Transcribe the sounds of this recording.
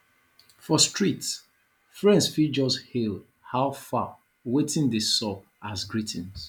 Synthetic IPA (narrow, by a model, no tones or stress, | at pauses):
fɔstɹits | fɹɛ̃nsfid͡ʒɔshel | haʊfa | wetĩndəsɔp̚ | asɡɹitʰɛ̃ns